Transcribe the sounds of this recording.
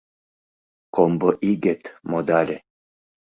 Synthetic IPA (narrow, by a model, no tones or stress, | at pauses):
komboʔiɡet̪mod̪alʲe